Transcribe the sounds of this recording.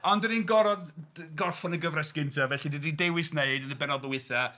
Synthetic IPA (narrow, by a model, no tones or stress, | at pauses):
ɔndɔninɡɔɾɔdɡɔrfɔnəɡəvrɛsɡ̥ɪntʰavɛɬidididewɨsneɨdənəbɛnɔðɔwɪθa